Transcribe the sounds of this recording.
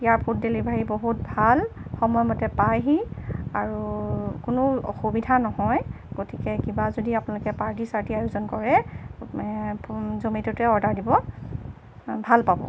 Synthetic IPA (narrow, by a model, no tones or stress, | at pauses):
ijaɹpʰut̚delibʱaɹiboɦut̚bʱalxɔmɔjɔmɔtɛpajɦiaɹukʊnʊɔ̰xubidʱanɔɦɔj | ɡ̥otikɛkibazodiapʊnalʊkɛpaɹtisaɹtiajuzɔnkɔɹɛ | zomitɔtɛɔɹdaɹdibɔ | bʱalpabɔ̰